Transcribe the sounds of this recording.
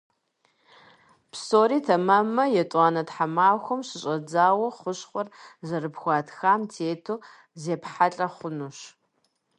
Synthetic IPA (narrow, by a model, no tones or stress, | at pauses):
pʰsoːɾiːtʰɐmɐmɐjɛtʼaːnɐtħamaːxʷʊmɕɪɕʼɐd͡zaːwɐχʷʊɕχʷʊrzɐɾɨpxʷɑːtʰxaːmtʰeːtʰoː | zeːpħaɬʼɐχʷʊnuɕ